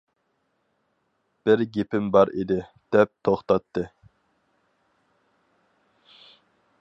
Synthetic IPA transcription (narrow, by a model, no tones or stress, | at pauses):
b̥ɪɾɡʲepʰɪmbɑɾid̪ɪ | d̪̥ɛp̚t̪ʰoχt̪ɑt̪ʰːɨ